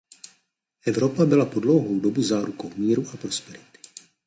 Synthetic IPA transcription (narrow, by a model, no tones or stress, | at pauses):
ʔɛvɾo̞pabɪlapo̞dlo̞wɦowdo̞bɪzaːɾukowmiːɾuʔapɾo̞spɛɾɪt̪ɪ̥